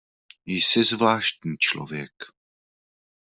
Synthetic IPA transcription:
jsɪzvlaːʃt̪ɲiːt͡ʃlo̰vjɛk

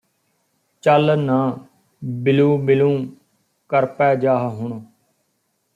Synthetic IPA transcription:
t͡ʃəlnãː | bɪlũːbɪlũː | kəɾpɛːd͡ʒaːɦɦʊɳ

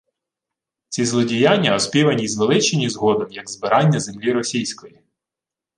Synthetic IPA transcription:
t͡sʲizlˠɔdʲijanʲːɐɔspʲiʋɐnʲizʋelˠɪt͡ʃenʲizɦɔd̪ɔmjɐɡzbɪɾʔɑnʲːɐzemlʲiɾɔsʲijsʲkɔji

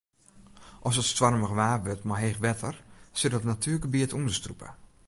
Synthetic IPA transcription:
ʔɔsətstwarməɣəʋaːʋøtmaɦexʋɛtʰərsɪt̚dɔtnatʰyːlkəbiətundəstrupʰə̰

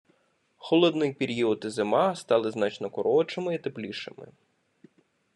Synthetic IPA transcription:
xɔlˠɔd̪nɪjpʲiɾʲiɔt̪ɪzɪmɑst̪ɑlˠɪznɑt͡ʃnɔkɔɾɔt͡ʃɪmɪit̪eplʲiʃɪ̰mɪ̰

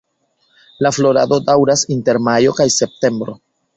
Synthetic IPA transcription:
laflo̞ɾado̞dawɾasinte̞ɾmajo̞kajse̞p̚te̞mbɾo̞

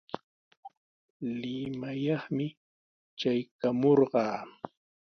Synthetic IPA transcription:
lɪmajɑχmɪ | t͡ʃajkamoɾɢɑː

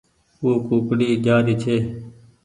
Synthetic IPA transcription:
uːkuːkɽiːd͡ʒaːɾiːt͡ʃʰeː

